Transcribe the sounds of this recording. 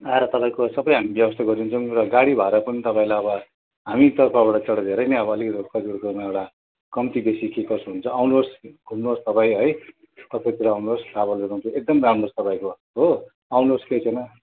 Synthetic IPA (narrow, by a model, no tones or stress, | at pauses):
aeɾʌt̪ʌpãĩkosʌbʌj̃ɦamibjʌbʌst̪ʰaɡʌɾunt͡sʰʌw̃rʌɡaɽibʱaeɾʌpʌnit̪ʌpãĩlajʌβʌ | ɦamit̪ʌrpʰʌbaɽʌt͡sʌɽʌd̪ʱeɾʌjnʌʌbʌʌlikʌt̪kʰʌd͡ziɾkʌmaewɽa | kʌmt̪ibesikikʌsɦunt͡sʰʌawnlosɡʱumost̪ʌpaĩɦʌj | t̪ʌpʰʌt̪iɾawnoslabʌlɾeɾãw̃nt͡sʰuek̚d̪ʌmramost̪ʌpaĩko | ɦo | awnlosket͡sʰʌjnʌ